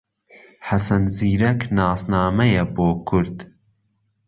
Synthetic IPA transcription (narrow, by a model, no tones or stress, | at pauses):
ħasɐnziːɾɐknaːsnaːmɐjɐboːkʰʊɾd̪